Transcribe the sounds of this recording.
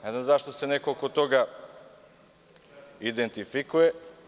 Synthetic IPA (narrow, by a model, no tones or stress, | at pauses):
nɛznamzaʃt̪osɛnɛkolˠkot̪oɡa | id̪ɛnt̪ifikuɛ